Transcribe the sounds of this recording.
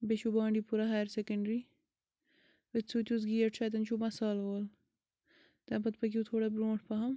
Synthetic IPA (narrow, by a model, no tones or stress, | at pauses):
beʃubãːɳɖipuɾɐɦaːɾsekɐɳɖɾi | ʋɐt̪suːt̪ʲus̬ɡiːɐʈʂɐt̪ɐnt͡ʃʰumɐsaːlʋoːl | t̪ɐːpɐt̪pɐkʲiut̪ʰoːɽabɾõːʈʰpɐɦɐm